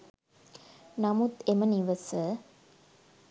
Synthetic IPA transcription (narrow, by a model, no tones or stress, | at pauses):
nɐmut̪eməniʋəsə